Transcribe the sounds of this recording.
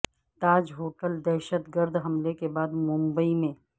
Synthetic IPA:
t̪aːd͡ʒɦoːʈəld̪ɛːʃət̪ɡəɾd̪ɦɐmlekebaːd̪mʊ̃mbəimẽː

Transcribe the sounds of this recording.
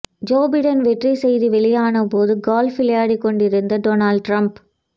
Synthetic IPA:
d͡ʒoːbɐɪɖɐnʋɛʈrisɛjðiʋɛɭɪjaːnɐpoːðɯɡaːlfɪlɪjaːɽikːɔɳɖɪɾɯnd̪ɐɖoːnaːɭɖʈɾɐmp

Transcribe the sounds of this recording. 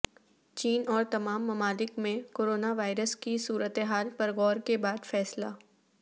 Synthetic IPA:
t͡ʃiːnɔːɾt̪ɐmaːmːɐmaːlɪkmẽkoːɾoːnaʋaːɪɾəskisuːɾət̪eɦaːlpɐɾɣɔːɾkebaːd̪fɛːslaː

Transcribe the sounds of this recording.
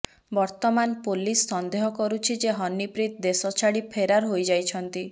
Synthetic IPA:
bɔɾt̪ɔmanpolisːɔnd̪eɦɔkɔɾut͡ʃʰid͡ʒeɦɔnːipɾit̪d̪esɔt͡ʃʰaɽipʰeɾaɾɦojd͡ʒajt͡ʃʰɔnt̪i

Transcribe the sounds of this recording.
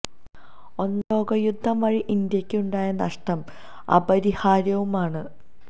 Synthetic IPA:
o̞nːo̞ːɡɐjud̪ʱːɐmʋɐɻiʔind̪jɐkʲːɨuɳɖaːjɐnɐʂʈɐm | ɐ̰bɐɾihaːɾjɐʋumaːɳɨ

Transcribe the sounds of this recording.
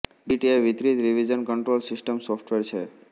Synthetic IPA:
ɖiʈieʋit̪ɾit̪ɾiʋid͡ʒənkəɳʈɾolsɪsʈəmsɔfʰʈʋeɾt͡ʃʰe

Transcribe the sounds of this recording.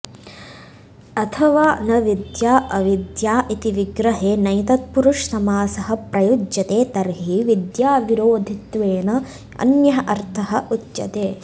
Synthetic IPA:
ɐt̪ʰɐʋaːnɐʋid̪jaːʔɐʋid̪jaːʔit̪iʋiɡɾɐɦeːnɐjt̪ɐt̪̚puɾuʂsɐmaːsɐɦɐ̆pɾɐjud͡ʒjɐt̪eːt̪ɐɾɦiʋid̪jaːʋiɾoːd̪ʱit̪ʋeːnɐ | ɐ̰njɐɦɐʔɐɾt̪ʰɐɦɐʔutːt͡ʃɐt̪eː

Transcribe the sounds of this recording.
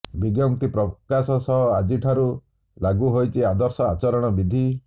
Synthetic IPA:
biɡjɔŋt̪ipɾɔkasɔsɔɦɔad͡ʒiʈʰaɾu | laɡuɦojt͡ʃʰiad̪ɔɾsɔat͡ʃɔɾɔɽ̃ɔbid̪ʱi

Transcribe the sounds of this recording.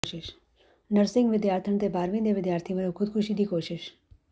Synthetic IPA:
ʃɪʃ | nəɾsɪ̃ŋɡʋɪd̪jaːɾt̪ʰəɳ̃t̪ebaːɾʋɪ̃nd̪eʋɪd̪jaːɾt̪ʰiʋəlokʰʊd̪̚kʰʊʃid̪ikoːʃɪʃ

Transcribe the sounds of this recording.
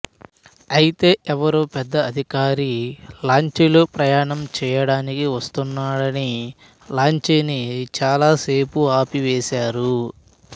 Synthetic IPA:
ɐjit̪e̞ːʔɛʋɐɾoːpɛd̪ːɐːd̪ʱikaːɾilaːɲt͡ʃelupɾɐjaːɳɐmt͡ʃɛːjɐɽaːnikiʋɐst̪unːaːɽɐni | laːɲt͡ʃeːnit͡ʃaːlaːseːpuaːpiʋeːsaːɾu

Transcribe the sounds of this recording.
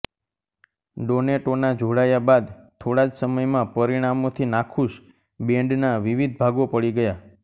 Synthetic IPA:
ɖoneʈonad͡ʒoɽajabad̪t̪ʰoɽad͡ʒsəməjmãpəɾiɽ̃amot̪ʰinakʰuʃ | bẽɳɖnaʋiʋid̪̚ʱbʱaɡopəɭiɡəja

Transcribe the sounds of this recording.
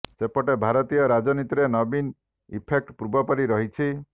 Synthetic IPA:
sepɔʈebʱaɾɔt̪ijɔɾad͡ʒɔnit̪iɾenɔbin | ḭpʰek̚ʈpɾubɔpɔɾiɾɔɦit͡ʃʰi

